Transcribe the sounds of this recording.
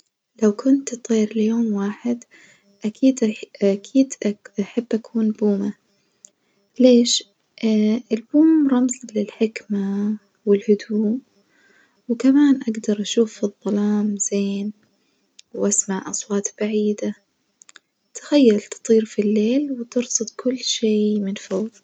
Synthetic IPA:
lawkʊnt̪t̪ˤiːɾljoːmwaːħɪd̪ | ʔakʰiːd̪akʰiːd̪ʔaħabːʔakʰuːnbuːma | leːʃ | ɪlbuːmɾˤɑmzlɪlħɪkma | wɪlhʊd̪uːm | wkamaːnʔaɡd̪ɑɾˤʔaʃuːfɨðˤːɑlɑːmz̥eːn | wʔasmaʕʔɑsˤwɑːt̪b̥aʕiːd̪a | t̪ḁxajːalt̪ɨ̥t̪ˤiːɾfilːeːlwt̪ɨɾsɨd̪̚ˤkʰʊlːʃeːmɪnfoːð

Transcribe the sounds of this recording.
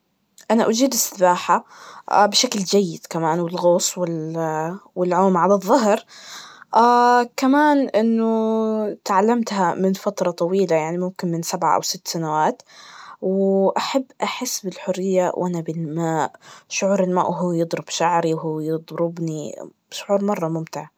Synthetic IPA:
ʔanaʔʊd͡ʒiːd̪ɪst̪ɪbaːħaʔbɪʃakld͡ʒajːɪd̪̥kamaːnwɪlɣoːsˤwɪl | wɪlʕoːmʕalaðˤːɑɦɾ | ʔaːkamaːnʔɪnːʊt̪ʕalːamt̪hamɪnfat̪ɾˤɑt̪ˤɑwiːlajaʕnimʊmkɪnmɪnsabʕa̰ʔa̰wsɪt̪ːsanawaːt̪wʔaħabːʔaħɪsːbɪlħʊrːɪjːawʔanabɪlmaːʔʃʊʕuːɾɪlma̰ːʔwɦujɨd̪ˤɾʊb̥ʃaʕɾiwɦuːjɨd̪ˤɾʊbni | ʃʊʕuːɾmɑrˤːɑmʊmt̪ɪʕ

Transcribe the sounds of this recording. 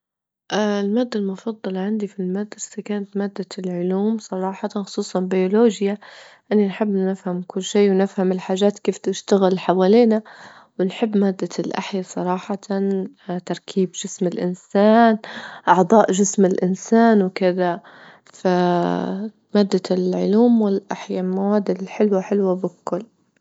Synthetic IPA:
ʔaɪlmaːd̪ːalmʊfɑd̪ˤːɑlɑʕand̪ifilmad̪ɾɪsakaːnat̪maːd̪ːalʕʊluːmsˤɑɾˤɑːħɑt̪xʊ̥sˤuːsˤɑnbajoloːʒjaʔɪnːinħɪbːnɪfhamkʊlːʃiːwnɪfhamɪlħaːʒːaːt̪keːft̪ɪʃt̪aɣɪlħawaːliːna | wɪnħɪbːmaːd̪ːalʔa̰ħjasˤɑɾˤɑːħɑt̪an | t̪ɑɾˤkʰiːbʒɪsmɪlʔɪnsaːnʔɑʕd̪ˤɑːʔʒɪsmɪlʔɪnsaːnwkɪða | fa | maːd̪ːalʕʊluːmwɪlʔaħjamawaːd̪ɪlħɪlwaħɪlwabɪkʊlː

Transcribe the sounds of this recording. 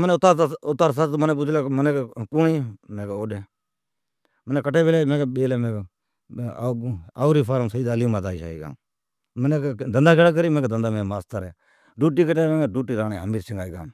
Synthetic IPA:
məneʊt̪ːaɾʊt̪ːaːɾsaːt̪məneːp̬uːt͡ʃʰlaːməneːkːkʊniːmẽːkeoːdeː | məneːkəʈeːbeːlaːmẽːkeɓeːleːmẽːkː | aːuɾiːpʰaːɾəmsəiːd̪aːlijuːmaːt̪aːiʃa̰ːḭːɡa̰ː | məneːd̪ənd̪aːkeɽaːk̬əɾiːmẽːked̪ənd̪aːmẽːmaːst̪əɾɛ̰ː | ɖuːʈ̬iːkəʈeːmẽeɖuːʈiːɾaːneːɦəmiːɾsɪŋɡaːiːɡa̰ː

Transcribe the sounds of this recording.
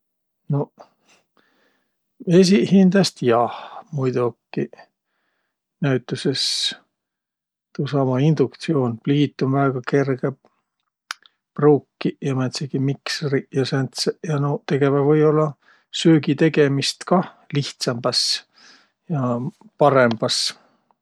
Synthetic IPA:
no̞ | e̞s̬ihind̪ɑst̪jɑhmujd̪ukːˑi | næɥt̪ːˑuse̞s | t̪usɑmɑind̪̥ukt̪sio̞ːnpliːt̪ːˑunvæːɡ̥ɑke̞rɡ̥e | pruːkːijɑmæt̪seɡ̥imiksrijɑsænt̪sejɑnot̪e̞ɡ̥e̞vɑvɤjo̞lːɑ | søːɡit̪e̞ɡe̞mist̪kɑ | liht̪sɑmb̥ɑs | jɑ | pɑɾe̞mb̥ɑs

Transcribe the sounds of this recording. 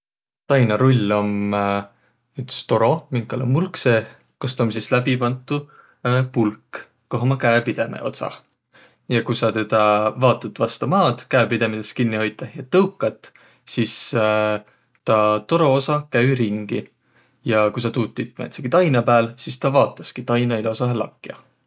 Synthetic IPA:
t̪ɑjnɑɾulʲːo̞m | yt̪st̪o̞ɾo̞miŋkːɑlemulkse | kost̪ɑomsislæbipɑnt̪ːˑu | pulk | kːoɦomɑkæepid̪̥e̞mḛʔo̞̰t̪sɑ̰ | jɑkujsɑt̪e̞d̪̥ɑvɑːt̪ːˑut̪vɑst̪ɑmɑːd̪̥kæepid̪̥e̞mit̪eskinːiho̞jt̪ːˑɑjɑt̪ɤwkːˑɑt̪ːˑ | sis | t̪ɑt̪o̞ɾo̞osɑkæwɾiŋɡ̥i | jɑkujsɑt̪uːt̪ːˑit̪ːmḛt̪seɡ̥it̪ɑjnɑpæːlsist̪ɑvɑːt̪ːˑɑskit̪ɑjnɑilosɑɦelɑ̰kːˑijɑ̰

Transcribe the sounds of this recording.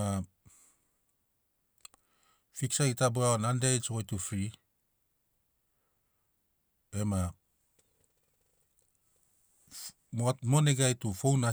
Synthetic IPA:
a | fiksaitaboaonandejt͡ʃɡojtufɾi | ema | motmoneɡajtufowna

